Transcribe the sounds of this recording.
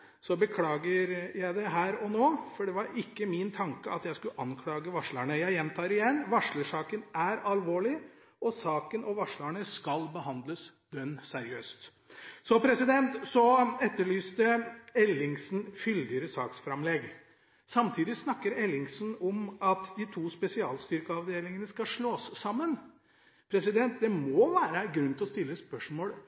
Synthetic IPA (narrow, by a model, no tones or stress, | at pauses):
sɔbəkʰlɑːɡəɾjæɪd̪ɛɦæːɾɔnoːfɔɖɛʋɑɾɪkːəmɪnt̪ʰɑŋkəɑt̪jæɪskʉʔɑnkʰlɑːɡəʋɑʂləɳəjæɪjɛnt̪ʰɑːɾɪjɛnːʋɑʂɭəʂɑːkənæɾɑlʋoːɭɪ | ʔɔsɑːkənʔɔʋɑʂɭəɳəskɑlbəɦɑnd̪ləs | d̪̥œnsæɾɪøːst̪ | sɔpʰɾɛsɪd̪ɛnt̪sɔɛt̪ːəɭyːst̪əɛlːɪŋsn̩fʏld̪ɪəɾəsɑːksfɾɑmlɛɡ | sɑmt̪ʰiːd̪ɪsnɑkːəɾɛlːɪŋsn̩ɔmɑt̪d̪ɪt̪ʰuːspɛsɪɑ̰ːlst̪ʏɾkəɑʋd̪eːlɪŋənəskɑʂɭoːsːɑmːən | pʰɾɛsɪd̪ɛnt̪̚d̪ɛmɔʋæːɾəɡɾʉnt̪ɪlɔst̪ɪlːəspœʂmoːl